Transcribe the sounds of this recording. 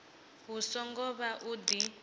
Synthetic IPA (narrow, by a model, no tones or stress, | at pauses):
ɦusɔŋɡɔβaʔud̪i